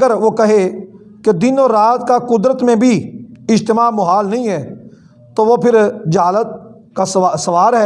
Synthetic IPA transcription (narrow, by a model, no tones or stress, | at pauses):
ɡəɾʋokɐɦe | ked̪ɪnɔːɾːaːt̪kakʊd̪ɾət̪mẽbʱiɪd͡ʒt̪ɪmaːmʊɦaːlnɐɦĩɦɛː | t̪oʋopʰɪɾd͡ʒɐɦaːlət̪̚ | kassɐʋaːɾɦɛː